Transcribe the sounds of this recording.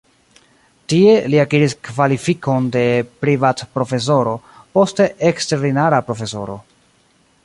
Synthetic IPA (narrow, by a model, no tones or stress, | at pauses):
tie̞liakiɾiskvalifiko̞nde̞pɾivatpɾo̞fe̞s̬o̞ɾo̞po̞ste̞ʔekste̞ɾdinaɾapɾo̞fe̞so̞ɾo̞̰